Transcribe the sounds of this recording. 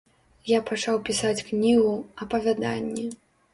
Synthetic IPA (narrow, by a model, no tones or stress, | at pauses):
japat͡ʂawpʲisat͡sʲknʲiɣuɐpɐvʲad̪a̰nʲːɛ